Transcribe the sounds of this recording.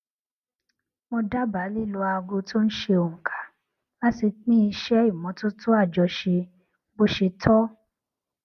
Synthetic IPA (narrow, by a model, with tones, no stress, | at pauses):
mõ˧da˦ba˨˦li˦˨lo˧a˧ɡo˧to˦n̩˦ʃe˧o˨ŋ̩˨kʰḁ˨˦ | la˦si˧k͡pĩ˦i˧ʃɛ˦i˦˨mɔ̃˨˦to˦tu˦a˦˨d͡ʒɔ˧ʃe˧ | bo˦ʃe˧tʰɔ˦